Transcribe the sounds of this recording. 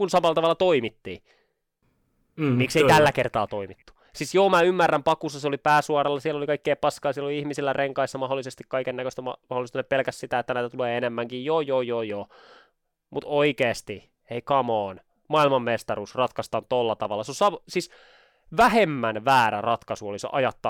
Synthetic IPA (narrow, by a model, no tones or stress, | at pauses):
kunsɑmɑlːˑɑt̪ɑʋɑlːˑɑt̪oimit̪ːḭː | mikseit̪ælːækert̪ɑːt̪oimit̪ːu̥ | sisjoːmæymːærːæmpɑkusːɑseolipæːsuɑrɑlːɑsielolikɑikːeːpɑskɑːsieloliihmisilːærʔeŋkɑisːɑmɑɦolːˑisest̪ikkɑikenːækøst̪æmɑmɑholːˑist̪nepelkæssit̪æet̪ːænæit̪æt̪uleːenemːæŋkijjoːjojoːjoː | mut̪oikeːst̪i | eikɑmoːn | mɑilmɑmːmest̪ɑruːsrɑt̪kɑst̪ɑnt̪olːɑt̪ɑʋɑlːɑsosɑʋsis | ʋæhemːænʋæːɾæ̰rɑt̪kɑsuoliso̰ʔɑjɑt̪ːɑ